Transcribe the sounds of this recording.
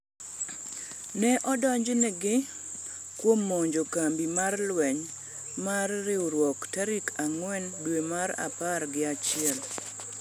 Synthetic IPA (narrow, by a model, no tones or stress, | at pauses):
nɛʔɔdɔɲd͡ʒnɛɡɪ | kwomːoɲd͡ʒokambimarlwɛɲ | marːɪoɾwɔktaɾikʰaŋwɛndwemaɾa̰paɾɡɪat͡ʃɪɛl